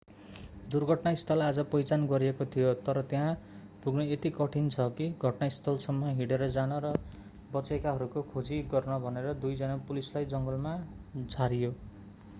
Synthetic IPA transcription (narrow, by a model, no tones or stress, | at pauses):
d̪urɡʱʌʈnaist̪ʰʌlad͡zʌpʌjt͡sanɡʌɾiekot̪ʰijot̪ʌɾʌt̪jɦã | puɡnʌet̪ikʌʈʰint͡sʰʌkiɡʱʌʈnaist̪ʰʌlsʌmːʌɦiɽeɾʌd͡zanʌɾʌ | bʌt͡sekaɦʌɾukokʰod͡ziɡʌrnʌbʱʌneɾʌd̪ujd͡zʌnapulislajd͡zʌŋɡʌlma | d͡zʱaɾijo